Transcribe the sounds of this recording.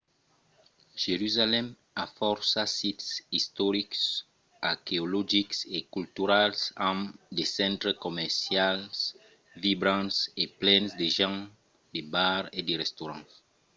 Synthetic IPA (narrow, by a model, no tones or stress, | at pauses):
ʒ̥eɾyzalɛm | afɔɾsasit̪sist̪ɔɾiks | aɾkeolɔʒiksekylt̪yɾalsãmd̪esɛ̃nt̪ɾekomɛɾsjals | vibɾãnseplɛnsd̪eʒãŋ | d̪ebaɾed̪eʁɛst̪oɾɑ̃s